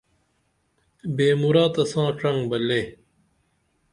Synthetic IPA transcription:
beːmuɾaːt̪ɐsãːʈ͡ʂɐŋɡbɐlːeː

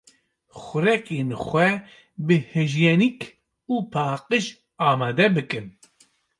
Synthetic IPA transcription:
xʷʊɾɛkeːnxʷɛ | bɨhɨʒjɛnik | uːpʰaːqɨʃ | aːmaːd̪ɛbɨkɨn

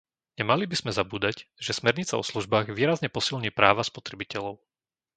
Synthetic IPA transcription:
ɲɛmalibiz̥mɛzabuːd̪acʒ̥ɛsmɛɾɲit͡sa̰ɔsluʒbaːɣʋiːɾazɲɛpɔsilɲiːpɾaːʋaspɔt̪ɾɛbicɛlɔʊ

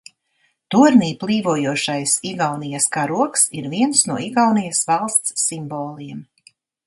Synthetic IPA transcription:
t̪uɾniːplˠiːvuɔjuɔʃajsiɡawnijaskaːɾuɔksiɾviɛnsnuɔiɡawnijasvalˠst̪sːimbɔːlˠiɛm

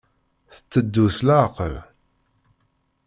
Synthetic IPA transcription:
θə̥t͡sːəd̪ːuslaqəl

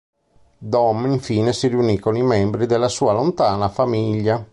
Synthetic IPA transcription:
d̪ɔmiɱfiːnesiriunikːonimɛmbɾid̪elːasuːalont̪aːnafamiʎːa

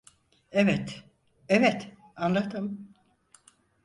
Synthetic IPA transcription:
evɛt̪ | ɛvɛt̪ | anlˠat̪ʰɯm

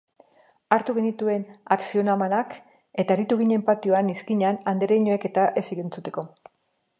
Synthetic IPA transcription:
aɾt̪uɣe̞nit̪ue̞naksio̞namanak | e̞t̪aeɾit̪uɣiɲe̞mpat̪io̞aniskiɲanand̪eɾeɲoe̞ke̞t̪aʔe̞siɣent͡sut̪e̞ko̞

